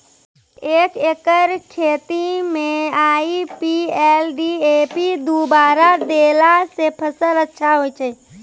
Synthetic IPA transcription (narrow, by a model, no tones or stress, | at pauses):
eːkekəɾkʰet̪imẽaːipielɖiepid̪ubaːɾad̪elasepʰəsələtːʃʰaɦojt͡ʃʰɛ